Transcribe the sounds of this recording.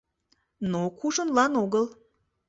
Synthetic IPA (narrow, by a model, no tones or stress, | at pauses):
nokuʒənlɑnoɣəl